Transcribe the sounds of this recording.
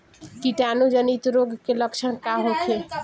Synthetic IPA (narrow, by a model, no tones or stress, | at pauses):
kiʈanud͡ʒənit̪ɾoɡkeləkt͡ʃʰənkaɦot͡ʃʰe